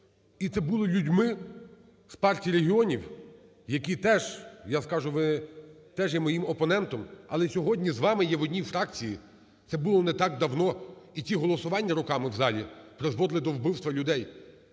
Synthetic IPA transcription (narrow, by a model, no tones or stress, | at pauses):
it̪sɛbulˠɔlʲudʲmɪ | spɑrtʲijɾeɦʲiɔnʲiw | jɐkʲit̪ɛʒjaskɑʒʊʋɪt̪ɛʒjɛmɔjimɔpɔnɛnt̪ɔmɐlˠɛsʲɔɦɔdʲnʲizʋɑmɪjɛʋɔdʲnʲifɾɑk̚t͡sʲiji | t̪sɛbʊlˠɔnɛt̪ɑɡ̚d̪ɐwnɔitʲiɦɔlˠɔsʊʋɑnʲːɐɾʊkɑmɪwzɑlʲipɾezʋɔd̪lˠɪd̪ɔwbɪwst̪ʋɐlʲʊd̪ɛj